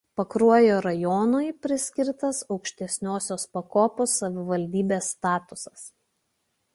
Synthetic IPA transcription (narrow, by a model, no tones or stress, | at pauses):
pɐkɾuɔjoːɾɐjoːnoːjpʲɾʲɪsʲkʲɪɾt̪ɐsɒʊkʃʲt̪ʲɛsʲnʲoːsʲoːspɐkoːposːɐʋʲɪʋɐlʲd̪ʲiːbʲeːsːt̪ɑːt̪ʊsɐs